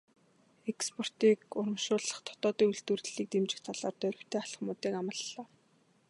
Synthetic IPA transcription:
ekspʰɔr̥t̪iːkʊɾə̆mʃʊːɮə̆χt̪ʰɔ̥t̪ɔːt̪iːuɮt̪ŭrɮiːk̚t̪emt͡ɕɪ̆kt̪ʰaɮaːrt̪œɾʲɪ̆w̥t̪ʰeːaɮə̆χmʊːt̪iːkamə̆ɮːɔː

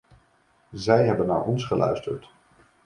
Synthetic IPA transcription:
zɛjɦɛbənːa̰ːɹʔɔnsχəlœ̰ɥstəɹt

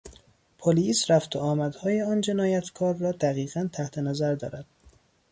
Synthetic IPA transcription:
pʰoliːsɾæft̪ʰoɒːmæd̪hɒːjeɒːnd͡ʒe̞nɒːjæt̪ʰkʰɒːɾːɒːd̪æɣiːɣænt̪ʰæht̪ʰenæzæɾd̪ɒ̰ːɾæd̪̥

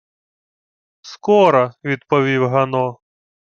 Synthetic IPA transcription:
skɔɾɐʋʲid̪pɔʋʲiwɦɐnɔ

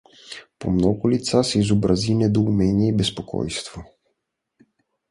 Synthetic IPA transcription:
po̰mnɔɡʊlit̪sasɛizobɾazinɛd̪oumɛniɛibɛspokʰɔ̰jst̪vo

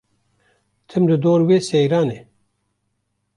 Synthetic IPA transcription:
t̪ʰɨmlɨd̪oːɾweːsejɾɑːneː

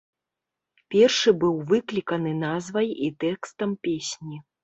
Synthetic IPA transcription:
pʲɛrʂɨbɨwvɨklʲikɐn̪ɨnazvɐjit̪ɛkst̪ɐmpʲesʲnʲi

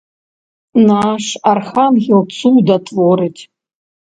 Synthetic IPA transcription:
naʂarxamɣʲilˠt͡sʰud̪atʰvoɾɨtʰʲʼ

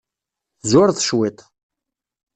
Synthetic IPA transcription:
θzʊɾθʃwit̪ˤ

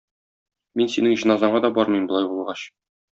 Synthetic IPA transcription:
minsinɘŋʑɤ̆nɑzɑɴɑd̪ɒbɒɾmɤjmbŏlˠɑjbulˠʁɑɕ

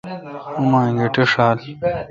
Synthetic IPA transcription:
umaːŋɡeʈeʂaːl

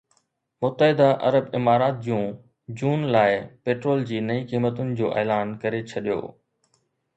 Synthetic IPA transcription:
mʊt̪ːəɦɪd̪aʔɐ̰ɾəbɪmaːɾaːt̪̚d͡ʑũ | d͡ʑuːnlaːɪpeːʈɾoːld͡ʑiːnɐĩqiːmət̪ʊnɪ̆d͡ʑoːʔeːlaːnkɐɾet͡ɕʰɐɗijo̰ː

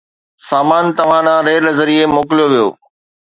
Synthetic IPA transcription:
saːmaːnt̪ɐʋ̤ãnãːɾeːlɐzəɾiemoːkɪlijoʋijo̰ː

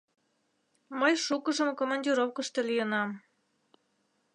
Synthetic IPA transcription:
məjʃukəʒəmkomɑnʲdʲiɾofkəʃt̪elijənɑm

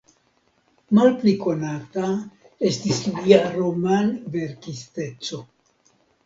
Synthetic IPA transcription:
malpliko̞nata | estisliaɾomanve̞ɾkiste̞t͡so̞

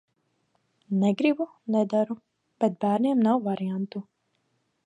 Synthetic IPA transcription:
neɡɾibu | nɛd̪aɾu | b̥ɛt̪̚bæːɾnʲiɛmnawvaɾijant̪u

